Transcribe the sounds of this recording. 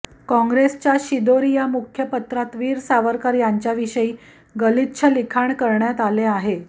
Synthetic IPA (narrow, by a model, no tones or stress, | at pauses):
kɔ̃ŋɡɾest͡ɕjaɕid̪oɾijamukʰjəpət̪ɾat̪ʋiːɾsaʋəɾkaɾjaɲt͡ɕjaʋiɕəiː | ɡəlit̪ɕʰəlikʰaɳkəɾɳjat̪aleaɦe